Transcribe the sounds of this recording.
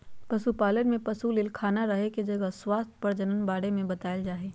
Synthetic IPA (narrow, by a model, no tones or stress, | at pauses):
pɐsupaːlənmẽpɐsulɪlkʰaːnaɾɐɦeked͡ʒɐɡəswaːst̪ʰpɐɾd͡ʒɐnənbaːɽemẽbɐt̪aːəld͡ʒaːɦeː